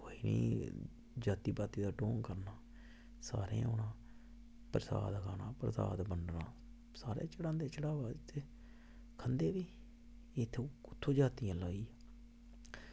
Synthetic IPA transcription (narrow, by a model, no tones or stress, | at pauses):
oːiːnḭː | d͡ʒaːt̪iːbaːt̪iːd̪aːɖoːŋkəɾnaː | sa̰ːɾḛ̃ʊnãː | pəɾəsa̰ːd̪kʰaːnãːpɾəsa̰ːd̪bəɳɖnã̰ː | saːɾḛ̃ːt͡ʃəɽãːnd̪eːt͡ʃəɽaːʋaːd͡ʒt̪ʰeː | kʰənd̪eːʋiː | ɪt̪ʰːʊt̪ʰːõːd͡ʒaːt̪ijãːlaːiː